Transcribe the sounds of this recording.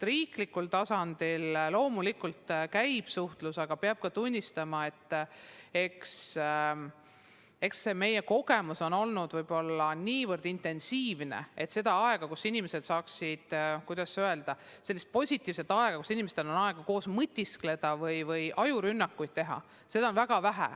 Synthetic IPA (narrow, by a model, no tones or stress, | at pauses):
riːklikːult̪ɑsɑnd̪̥illo̞ːmulikult̪kæjb̥suht̪lusɑɡ̥ɑpeɑb̥̚kɑt̪unʲːist̪ɑmɑe̞t̪ːˑ | e̞ks | e̞ksːe̞me̞jeko̞ɡ̥e̞muso̞no̞lnud̪vɤjb̥o̞lːɑniːvɤrd̪̥int̪e̞nsiːvne̞̰e̞t̪se̞d̪ɑɑe̞ɡ̥ɑkusinʲimese̞d̪sɑːksid̪̥kujd̪̥ɑsøe̞ld̪̥ɑse̞lːist̪̚po̞sʲit̪ʲˑːiːvset̪ːˑɑe̞ɡ̥ɑkusinʲimest̪e̞lo̞nɑe̞ɡ̥ɑko̞ːsmɯt̪ʲːˑiskle̞d̪̥ɑvɤjvɯjʔɑjuɾynːɑkːujd̪̥̚t̪e̞ɦɑ̰ | se̞d̪ɑo̞nvæɡ̥ɑvæɦæ̰